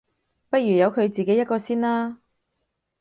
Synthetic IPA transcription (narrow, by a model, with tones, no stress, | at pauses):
pɐ˥t̚jyː˨˩jɐ˨˧wkʰɵ˨˧ɥt͡siː˨ke˨˥jɐ˥t̚kɔː˧siː˥nlaː˥